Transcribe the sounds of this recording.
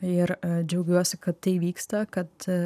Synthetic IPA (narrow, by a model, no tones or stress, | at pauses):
ɪɾd͡ʒʲɛʊɡʲuɔsʲɪkɐt̪ːɐɪʋʲiːkst̪ɐkɐt̪